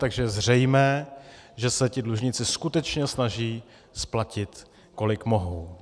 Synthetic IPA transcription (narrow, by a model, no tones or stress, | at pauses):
t̪aɡʒɛjɛzr̝ɛjmɛːʒɛsɛcɪdluʒɲɪt͡sɪskut̪ɛt͡ʃɲɛsnaʒiː | splacɪt̪ | ko̞lɪkmo̞ɦow